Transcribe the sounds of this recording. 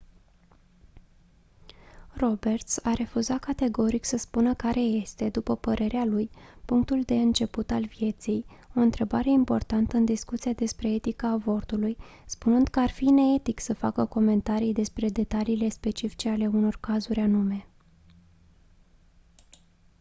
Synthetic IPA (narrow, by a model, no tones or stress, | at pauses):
ro̞be̞rt̪saɾʔe̞fuzat̪̚kat̪e̞ɡo̞ɾiksəspunəkaɾe̞je̞st̪e̞d̪upəpəɾʔe̞ɾealujpuŋk̚t̪uld̪e̞ɨnt͡ʃe̞put̪alvije̞t̪sijo̞ɨnt̪ɾe̞baɾe̞impo̞̰rt̪ant̪əɨnd̪iskut̪sijad̪e̞spɾe̞et̪ikaːvo̞rt̪ulujspunɨnd̪̥kəarfineet̪iksəfa̰kəko̞me̞nt̪aɾijd̪e̞spɾe̞d̪e̞t̪aliːle̞spe̞t͡ʃifi̥t͡ʃeale̞uno̞rkazuɾʲanume̞